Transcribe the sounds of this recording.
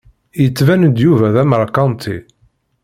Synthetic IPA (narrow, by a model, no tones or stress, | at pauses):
jət͡sːvænəd̪juvæðæməɾˤkɑnt̪ʰḭ